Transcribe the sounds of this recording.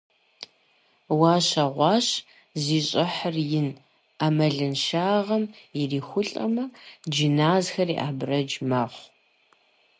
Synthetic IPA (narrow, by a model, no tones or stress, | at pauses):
waːɕɐʁʷɑːɕ | ziːɕʼɪħərjɪn | aːmɐɮɨnʃaːʁɐmjɪriːxʷʊɬʼɐ̰mɐd͡ʒinaːzxɐriʔaːbrɐd͡ʒmɐχʷ